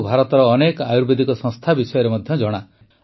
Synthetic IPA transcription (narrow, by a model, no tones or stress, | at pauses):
bʱaɾɔt̪ɔɾɔːnekajuɾbed̪ikɔsɔ̃ŋst̪ʰabisɔjɔɾemɔd̪ʱjɔd͡ʒɔɽ̃a